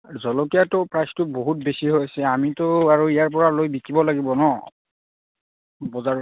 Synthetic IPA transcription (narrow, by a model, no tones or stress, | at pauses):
zɔlɔkijatʊpɹajstʊboɦut̚besiɦojasɛamitʊaɹuijaɹp̬ɔɹalojbikibɔlaɡibɔnɔ | bɔzaɹ